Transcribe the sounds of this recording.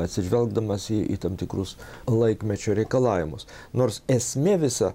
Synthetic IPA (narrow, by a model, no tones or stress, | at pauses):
ɐt̪ʲsʲɪʒʲʋʲɛlˠɡd̪ɐmɐsɪʔḭt̪ɐmt̪ʲɪkrʊslˠɐɪkmʲɛt͡ʃʲoːɾʲɛɪkɐlˠɑːʋʲɪmʊs | noːrsɛsʲmʲeʋʲɪsɐ